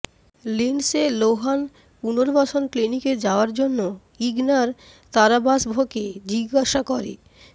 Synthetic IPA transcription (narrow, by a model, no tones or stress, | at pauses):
linseloɦan | punoɾbaʃʰonkliniked͡ʑaoaɾd͡ʑonːo | iɡnaɾ | t̪aɾabasbʱoked͡ʑiɡaʃakoɾḛ